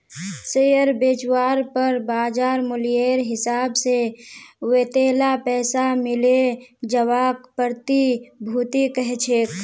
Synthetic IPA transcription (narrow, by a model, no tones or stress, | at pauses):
sejəɾbeːt͡ʃwaːɾpəɾbaːd͡ʒaːɾmʊlijeːɾɦɪsaːbseweːt̪eːlapɛːsamɪled͡ʒəwaːkpəɾt̪ibʱuːt̪ikəɦɛt͡ʃʰeːk